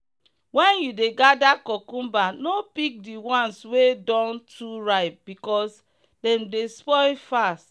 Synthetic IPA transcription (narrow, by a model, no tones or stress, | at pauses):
wɛ̃njudeɡadakɔkũmbanopik̚diwãnswedɔ̃ntʰuɹaɪt̚bikɔs | dɛ̃mdespɔɪlfast